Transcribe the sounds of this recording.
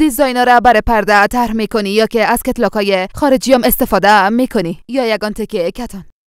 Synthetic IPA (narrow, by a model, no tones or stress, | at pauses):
d̪izɒjnɔɾabaɾepaɾd̪at̪ʰaɾɦmekʊnijɔkeaz̥ket̪lɔkɔjexɒɾed͡ʒijɔmest̪efɔd̪amekʰʊnijɔjaɡɔnt̪ekekat̪ʰɔn